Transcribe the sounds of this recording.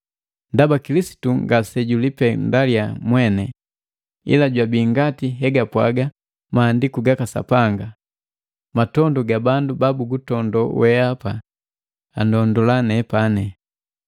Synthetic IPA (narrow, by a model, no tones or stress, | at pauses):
ndabakilisi̥tuŋɡasɛɟulipɛndaliamwɛnɛ | ḭlaɟwabiːŋɡatiɦɛɡapwa̰ɡa | maːndikuɡakasa̰paŋɡa | matɔndɔɡabandubabuɡutɔndɔwɛapa | andɔndɔlanɛpanɛ